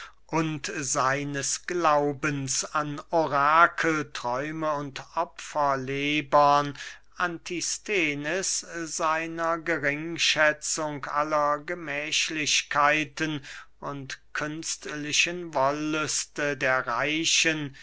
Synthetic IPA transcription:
ʔʊntz̥aɪnəsɡ̥laʊbənsanoʁaːkʰl̩tʁ̥ɔʏməʊntʔɔpfɐleːbɐn | ʔantʰistʰeːnɪsz̥aɪnɐɡəʁɪŋʃɛt͡sʊŋkʔa̰lɐɡəmɛːʃlɪɕkʰaɪtənʔʊntkʰʏnstlɪʃənvɔlːʏstədeːɐʁaɪɕən

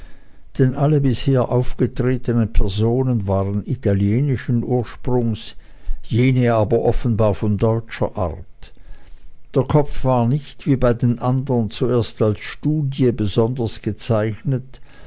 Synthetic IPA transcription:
d̥ɛnʔaləbɪsheːɐʔaʊfɡ̥ətʁ̥eːtənənpʰɛɐzoːnənvaːʁənitʰaljeːnɪʃənʔuːɐʃpʁ̥ʊŋs | jeːnəaːbɐʔɔfən̩baːɐfɔndɔʏt͡ʃɐ̰ʔa̰ʁt | d̥eːɐkʰɔfv̥aːɐnɪçtv̥iːbaɪdeːnʔandəʁənt͡sueːɐstalsʃtuːdjəbəzɔndəsɡ̥ət͡saɪçnət

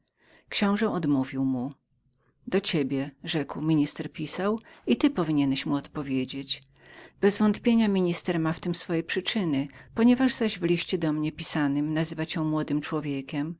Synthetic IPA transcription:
kɕɔ̃w̃ʐɛʔɔd̪muvʲiwmu | d̪ɔt͡ɕebʲjɛʐɛkwmʲiɲist̪ɛɾpʲisawit̪ɘpɔvʲiɲɛnɛɕmuɔt̪pɔvʲjed͡ʑet͡ɕ | b̥ɛzvɔnt̪pʲjeɲamʲiɲist̪ɛɾmaft̪ɘmsfɔjɛpʂɘt͡ʂɘnɘpɔɲɛvaʐzaʑvlʲiɕt͡ɕɛd̪ɔmɲɛpʲisanɘmnazɘvat͡ɕɛmwɔd̪ɘmt͡ʂwɔvʲjekʲɛm

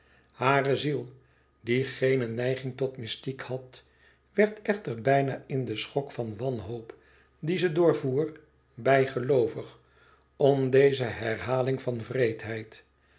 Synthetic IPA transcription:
haːrəzilˠ | diχejnənɛjχɪŋtɔtmɪstikhɑt | ʋɛɹtɛχtəɹbɛjnaːɪndəsχɔkfɑnʋɑnɦowp | dizədoːɹvuːr | bɛjχəlowvəχ | ɔmdejzəɦɛrɦaːlɪŋvɑnvrejtɦɛjt

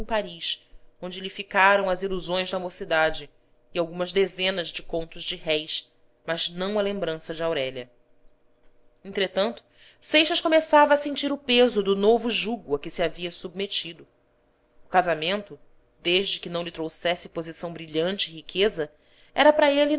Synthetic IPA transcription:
paɾiʃõnd͡ʒɪlifikaɾɐ̃w̃ɐziluzõj̃zd̪ɐamosid̪ad͡ʒɪ | ɪawɡũmɐzd̪ezẽnɐzd͡ʒɪkõnt̪ʊzd͡ʒɪɦɛjs | mɐznɐ̃w̃ɐlẽmbɾɐ̃sɐd͡ʒɪawɾɛʎɐ | ẽt̪ɾet̪ɐ̃nt̪ʊ̥ | sejʃɐʃkomesavɐːsẽnt͡ʃiɾʊpezʊd̪ʊnovʊʒuɡʊɐkɪsiaviɐsub̚met͡ʃid̪ʊ | ʊkazamẽnt̪ʊ | d̪eʒd͡ʒɪkɪnɐ̃w̃lɪt̪ɾowsɛsɪpozisɐ̃w̃bɾiʎɐ̃nt͡ʃɪːhikʰezɐ | ɛɾɐpɾɐelɪ

